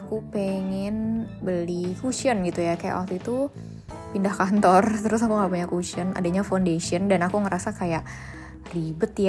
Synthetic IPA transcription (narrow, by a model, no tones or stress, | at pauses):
akupeŋɛnbəlifusiɔnɡit̪ujakaja̰ʔak̚t̪uit̪u | pindahkant̪ɔrt̪əɾʊsakuŋɡaʔpuɲakusiɔna̰daɲafandesiəndanakuŋəɾasakajaʔ | ribət̪ja